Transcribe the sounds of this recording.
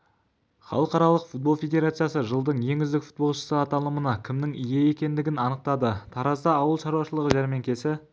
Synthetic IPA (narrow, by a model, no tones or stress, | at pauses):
χɑ̰lˠəqɑɾɑlˠəqfut̪̚bo̞lˠfʲe̞d̪ʲe̞ɾat̪sɨjasəʒəlˠd̪əɴje̞ŋɡʲɪzd̪ɪkfu̥t̪̚bo̞lˠʃə̥səɑt̪ɑlˠəmənɑkʲʰɪmnɪŋije̞e̞kʲe̞nd̪ɪɡʲɪnɑnəq̚t̪ɑd̪ət̪ʰɑɾɑzd̪ɑːwəlˠʃɑɾuwɑʃəlˠəʁəʒæɾme̞ŋkʲe̞sɪ